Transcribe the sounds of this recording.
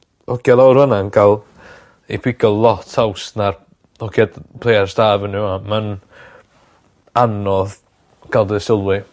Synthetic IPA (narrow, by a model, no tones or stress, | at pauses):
ɔkjalˠawɾvənankʰalˠ | ipʰɪɡɔllˠɔtʰawsnar | ɔkʰjadpʰlˠejarstaːvəniaman | anɔð | kʰalˠdəsɪlˠwɪ